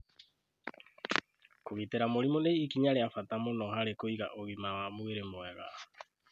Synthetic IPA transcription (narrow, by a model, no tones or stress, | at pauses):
koɣiteɾamoɾimoneikiɲaɾeafatamonɔhaɾekoiɣa̰ʔoɣimawamoɣeɾemoɛɣa̰